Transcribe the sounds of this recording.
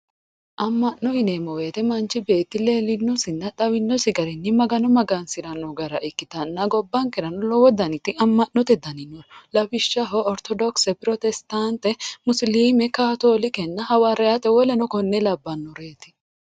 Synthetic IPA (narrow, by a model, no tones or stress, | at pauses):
ʔɐmːɐnːɔhɪneːmɔweːt̪ɛmɐnt͡ʃːɪbe̞ːt̪ːɪleːlɪnːɔsɪnːɐᶑ̪ɐwɪnːɔsɪɡɐɾɪnːɪmɐɡɐnɔmɐɡɐnsɪɾɐnɔɡɐɾɐʔɪkːɪt̪ɐnːɐɡɔbːɐŋkɛɾɐnɔlɔwɔd̪ɐnɪt̪ːɪʔɐmːɐʔnɔt̪ɛd̪ɐnɪnːɔlɐbɪʃːɐɦɔʔɔɾt̪ɔd̪ɔksɛpɪɾɔt̪ɛst̪ant̪ɛmʊsliːmɛkaːt̪oːlɪkɛnːɐhɐwaɾɛjat̪ɛwɔlɛnɔkɔnːɛlɐbːɐnːɔɾeːt̪ɪ̥